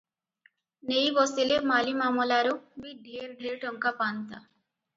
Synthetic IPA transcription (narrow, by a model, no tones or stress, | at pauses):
nejbɔsilemalimamɔlaɾubiɖʱieɾɖʱiɾʈʌŋkapant̪a